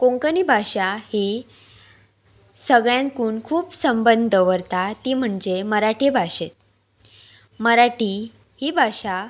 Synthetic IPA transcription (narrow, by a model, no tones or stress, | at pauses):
kõŋkənibʱaɕahiː | səɡɭjãnkuːnkʰuːpsəmbənd̪ʱəʋəɾt̪at̪iːm̤əɳd͡ʑeməɾaʈebʱaɕet̪̚ | məɾaʈi | hiːbʱaɕa